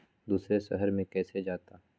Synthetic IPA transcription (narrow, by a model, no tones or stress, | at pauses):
d̪uːsɾeʃɐ̰ɦəɾmẽkɛːsed͡ʒaːt̪aː